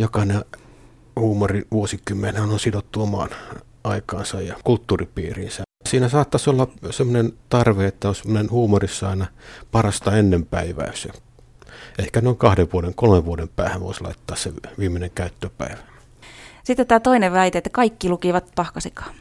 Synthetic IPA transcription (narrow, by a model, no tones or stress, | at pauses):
jokɑne | huːmoriʋuosikymːenehænonsid̪ot̪ːuomɑ̰n | ɑikɑ̰ːnsɑjjɑkult̪ːuːripḭːrḭːnsæsiːnæsɑːt̪ːɑsolːɑsemːonent̪ɑrʋeet̪ːæonsemːonenhuːmorisːɑɑinɑpɑrɑst̪ɑenːempæiʋæ̰yse | eihkænoiŋkɑhdeʋʋuodeŋkolmeʋʋuodempæ̰ːhæʋo̰islɑ̰it̪ːɑːssḛʋiːmeneŋkæyt̪ːøpæ̰iʋæ̥ | sit̪ːet̪æːt̪oineʋʋæit̪eet̪ːækɑikːilukiʋɑt̪pɑhkɑsikɑ̥ː